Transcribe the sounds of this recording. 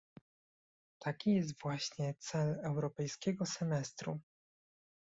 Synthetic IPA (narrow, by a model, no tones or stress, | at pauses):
t̪ʰakʲijɛs̬t̪v̥waɕɲɛt̪sɛlɛwɾɔpɛjskʲɛɡɔsɛmɛst̪ɾṵ